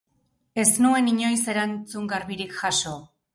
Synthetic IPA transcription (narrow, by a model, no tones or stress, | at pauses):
e̞snue̞niɲo̞jse̞ɾant͡suŋɡaɾβiɾikʝaso̞